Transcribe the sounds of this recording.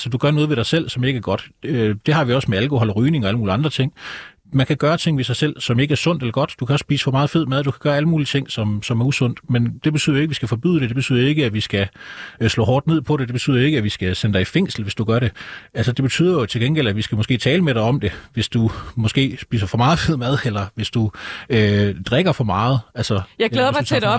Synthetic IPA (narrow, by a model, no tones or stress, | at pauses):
sɒd̥uɡ̥ɶɐnɔːðˠʋe̝ɾɑ̈ɪsel̰sɒ̽me̝ɡ̥æɐɡ̥ɒ̽d̥ød̥e̝hɑ̈ʋiɒ̽smeælkʰohɒ̽l̰ʁyːne̝ŋɒ̽ælmuːliɑ̈nd̥ʁɐt͡sʰe̝ŋ̰ | mænkʰæɡ̥ɶːɐt͡sʰe̝ŋ̰ʋesɑ̈ɪsel̰sɒ̽me̝ɡ̥əæɐsɔ̽n̰d̥elɐɡ̥ɒ̽d̥d̥ukʰæɒ̽ssb̥ḭːsəfɒ̽mɑ̈ːð̩ˠfe̝ð̞̰ˠmæð̞ˠd̥ukʰæɡ̥ɶːɐæləmuːlit͡sʰe̝ŋ̰sɒ̽msɒ̽mæɐusɔ̽n̰d̥mend̥e̝b̥e̝y̰ðˠɐjoeɡəʋisɡ̥æfɒ̽b̥y̰ðˠd̥e̝d̥eb̥e̥yð̰ˠjoe̝ɡəæʋisɡ̥æslɔ̰ːɦɒ̰ːd̥ne̝ð̞̰ˠpʰɒ̽ɾ̥e̝d̥e̝b̥e̝yð̰ˠɐoe̝ɡ̥əæʋisɡ̥æsenəd̥ɑ̈ɪifeŋ̰sl̩ʋe̝sd̥uɡ̥ɶɐɾe̝ælsəd̥e̝b̥e̝t͡sʰy̰ð̰ˠɐjo̝t͡sʰe̝lɡ̥enɡel̰æʋisɡ̥æmɒsɡ̥e̝̰ːt͡sʰɛːləmeɾ̥ɑ̈ɪɒ̽md̥e̝ʋe̝sd̥umɒ̽sɡ̥e̝̰ːsb̥ḭːsɐfɒ̽mɑ̈ːð̩ˠfe̝ð̞̰ˠmæð̞ˠelɐʋe̝sd̥uød̥ʁɛɡ̥ɐfɒ̽mɑ̈ːð̞̩ˠælsɐjaɪleðˠɐmɑedɒ̥